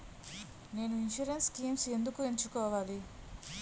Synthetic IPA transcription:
ne̞ːnuinʃuɾenskiːmse̞nd̪ukueɲt͡ʃukɔːʋaːli

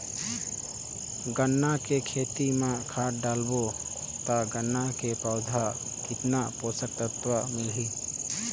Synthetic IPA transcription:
ɡənːakekʰeːt̪imãkʰaːʈ̚ɖaːlbo | t̪aɡənːakepəːd̪ʱa | kɪt̪napoːsəɾt̪ət̪wəmɪlɦi

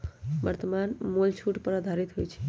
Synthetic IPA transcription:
bəɾt̪əmanmolt͡ʃʰuʈpɾəd̪ʱaɾit̪ɦojt͡ʃʰɛ̥

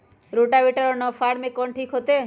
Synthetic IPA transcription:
ɾoʈaʋeʈaɾɔnɔfaɾmekɔɳʈʰikʰot̪e

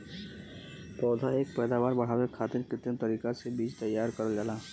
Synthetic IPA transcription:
t̪ɔːd̪ʱaeːk̚pɛːd̪aːʋaːɾbɐɽ̤aːwekʰaːt̪ɪɾkɪt̪ənt̪ɐɾiːkasebiːt͡ʃt̪ɐjːaːɾkɐɾəld͡ʒalaː

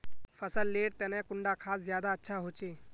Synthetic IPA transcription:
pʰəsəlːeːɽt̪ɛːnɛ̃kʊɳɖakʰaːszjaːd̪aətːʃʰaɦoːt͡ʃeː

